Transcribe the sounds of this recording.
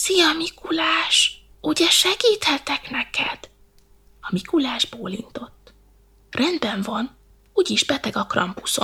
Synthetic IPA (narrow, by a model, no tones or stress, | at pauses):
sijɒmikulaːʃ | uɟɛʃɛɡiːt̪hɛt̪ɛknɛkɛd̪̥ | ɒmikulaːʒboːlḭnt̪o̞t̪ː | rʔɛnd̪bɛɱvɒn | uːɟiʒbɛt̪ɛɡɒkrɒ̰mpu̥so̞̰n